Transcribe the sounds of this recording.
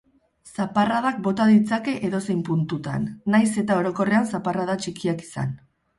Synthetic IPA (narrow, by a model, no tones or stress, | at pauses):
saparaðak̚bo̞t̪aðit͡sake̞ʔe̞ðo̞se̞jmpunt̪ut̪a̰nːajse̞t̪ao̞ɾo̞ko̞re̞ansaparaðat͡ʃikiaki̥sa̰n